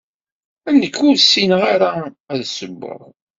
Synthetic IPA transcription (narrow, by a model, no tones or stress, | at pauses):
ænːəkːʊɾsinʁaɾa | æðsəbːə̰ɾˤ